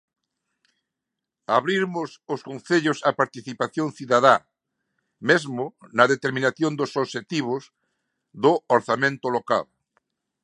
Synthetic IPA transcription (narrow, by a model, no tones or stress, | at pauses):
aβɾiɾmʊsʊskõnθeʎʊsapaɾt̪iθipaθjõŋθiðaða | mezmʊnɐðet̪eɾminaθjond̪ʊsoβʃet̪iβ̞ʊs | ðʊoɾθamẽnt̪ʊloka̰l